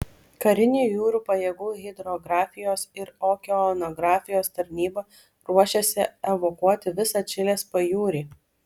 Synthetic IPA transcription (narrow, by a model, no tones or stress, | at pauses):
kɐɾʲɪnʲuːjuːɾuːpɐjeɡuːɣʲɪd̪ɾɔɡɾɑːfʲɪjoːsɪɾoːkʲɛɔnɔɡɾɑːfʲɪjoːst̪ɐɾʲnʲiːbɐ | ɾuɔʃʲeːsʲɪɛʋokuɔt̪ʲɪʋʲɪsɐt͡ʃʲɪlʲeːspɐjuːɾʲiː